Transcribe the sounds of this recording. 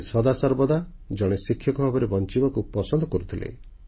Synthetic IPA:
sɔd̪asɔɾbɔd̪a | d͡ʒɔɽ̃esikʰːjɔkɔbʱabɔɾebɔnt͡ʃibɔkupɔsɔnd̪ʱɔkɔɾut̪ʰilḛ

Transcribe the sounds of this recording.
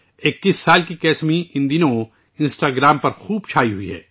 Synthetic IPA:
ɪkːiːsːaːlkikɛːsmiɪ̃nd̪inõ | ɪ̃nsʈaːɡɾaːmpɐɾxuːbt͡ʃʰaːiɦuiɦɛ̰ː

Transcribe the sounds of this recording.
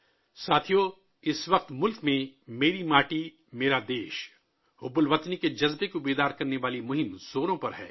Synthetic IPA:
saːt̪ʰijo | ɪsʋɐq̚t̪mʊlkmẽmeːɾimaːʈi | meːɾad̪eːʃ | ʊbʊlʋɐt̪niked͡ʒɐzbekiʊbeːd̪aːɾkɐɾneʋaːlimʊɦɪmz̥oːɾõpɐɾɦɛ̰ː

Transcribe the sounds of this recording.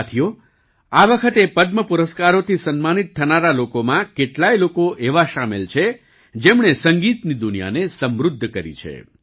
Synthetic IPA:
t̪ʰijo | aʋəkʰət̪epəd̪məpuɾəskaɾot̪ʰisənmanit̪ʰːənaɾalokomãkeʈlajlokoʔeʋaʃamelt͡ʃʰe | d͡ʒemɳesəŋɡit̪nid̪unija̰nesəmɾʊd̪ʱːkəɾḭt͡ʃʰḛ

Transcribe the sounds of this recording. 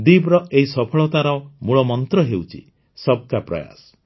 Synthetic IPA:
d̪ibɾɔeɦisɔpʰɔɭɔt̪aɾɔmuɭɔmɔnt̪ɾɔɦewt͡ʃʰḭ | sɔb̚kapɾɔ̰ja̰sɔ̥

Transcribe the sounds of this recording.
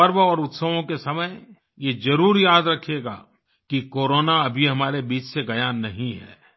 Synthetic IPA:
pɐɾʋɔːɾʊt̪səʋõkesɐməj | jed͡ʒɐɾuːɾjaːd̪ɾɐkʰjeːɡa̰ː | kikoːɾoːnaɐbʱiɦɐmaːɾebiːt͡ʃseɡɐjaːnːɐɦĩɦɛ̰ː

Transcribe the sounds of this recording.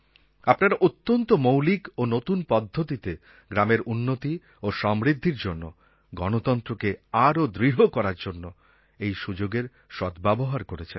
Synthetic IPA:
apnaɾʔot̪ːont̪omowlikonot̪unpɔd̪ʱːot̪it̪e | ɡɾameɾʔunːot̪i | oʃɔmɾid̪ʱːiɾd͡ʑonːo | ɡɔnot̪ɔnt̪ɾokeaɾod̪ɾiɦokɔɾaɾd͡ʑonːo | ejʃud͡ʑoɡeɾ | ʃɔt̪bɛboɦaɾkoɾet͡ɕʰen

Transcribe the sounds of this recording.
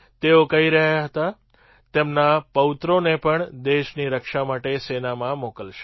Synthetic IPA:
t̪eokəɦiɾəɦjaɦət̪a | t̪emnapəʋɪt̪ɾonepəɳd̪eʃniɾəkʃamaʈesenamãmokəlʃe̥

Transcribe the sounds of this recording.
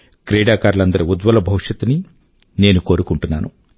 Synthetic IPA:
kɾɛːɽaːkaːɾlɐnd̪ɐɾiud̪ʋɐlɐbʱɐwʂɐt̪uni | ne̞ːnuko̞ːɾukuɳʈunːaːnu

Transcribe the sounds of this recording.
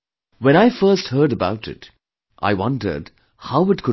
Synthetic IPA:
wɛ̃ñaɪfɜ˞st̚hɜ˞ɾəbaʊtɪ̰t | ʔa̰ɪwʌ̃ndə̰˞d | haʊɪtkʰʊ

